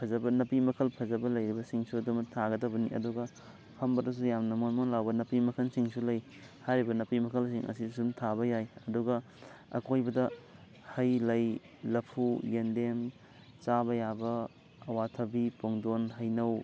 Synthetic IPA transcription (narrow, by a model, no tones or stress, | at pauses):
pʰɐzɐbɐnɐpimɐkʰɐlpʰɐzɐbɐlɐjɾibɐsiŋsuɐdumɐtʰaɡɐdɐwbɐniɐ̰duɡɐ | hʰɐmbɐdɐs̬ujamnɐmonmonlawbɐnɐpimɐkʰɐnsiŋsulɐj | hajɾibɐnɐpimɐkʰɐls̬iŋʔɐ̰sisumtʰabɐjajɐduɡɐ | ɐ̰kʰojbɐdɐ | hɐjlɐj | lɐpʰujendem | t͡ʃabɐjabɐː | watʰɐbipoŋdonɦɐjnɐw